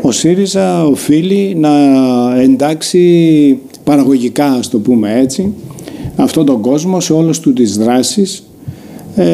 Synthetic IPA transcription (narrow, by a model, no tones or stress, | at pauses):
o̞siɾizɐo̞filinɐe̞nd̪ɐksi | pɐɾɐɣo̞ʝikɐɐst̪o̞pume̞e̞t͡si | ɐft̪o̞t̪o̞ŋɡo̞zmo̞se̞o̞lost̪ut̪izðɾɐsis